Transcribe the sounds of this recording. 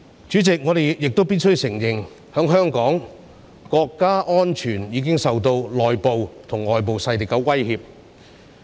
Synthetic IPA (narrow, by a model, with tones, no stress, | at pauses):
t͡ʃyː˨˥t͡sɪ˨k̚ŋɔː˨˧ɾe˨jjɪ˨k̚t̪o˥wpiː˥t̚sɵ˥ɥsɪ˨˩ŋjɪ˨˩ŋ | hœː˨˥ŋɦœː˥ŋkɔː˨˥ŋ | kɔː˧kːaː˥ʔɔː˥nt͡ʃʰyː˨˩njiː˨˧k̬ɪ˥ŋsɐ˨wt̪o˧wlɔː˨jpo˨wt̪ʰʊ˨˩ŋlɔː˨˩jp̬o˨wsɐ˧jt̪i˨˩kːɐ˨˧˥wɐ˥jhiː˧p̚